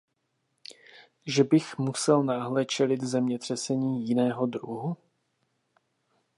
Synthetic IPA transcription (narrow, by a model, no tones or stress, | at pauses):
ʒɛbɪxmusɛlnaːɦlɛt͡ʃɛlɪt̪zɛmɲɛt̪r̝̥ɛsɛɲiːjɪnɛːɦo̞d̪ɾuɦu